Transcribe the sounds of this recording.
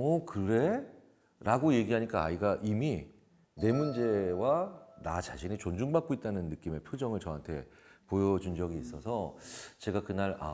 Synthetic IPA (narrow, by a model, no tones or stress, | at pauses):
ʌkɯɾe̞ | ɾaɡoje̞ɡiɦaɲik͈aaiɡaʔimi | ne̞mund͡ʑe̞wanat͡ɕaɕʰinet͡ɕond͡ʑuŋbak͈oit̚t͈anɯnːɯk͈ime̞pʰjod͡ʑʌŋɯɭt͡ɕʌɦantʰe̞̰pojʌd͡ʑund͡ʑʌɡiːs͈ʌsʰʌt͡ɕe̞ɡakɯnaɾa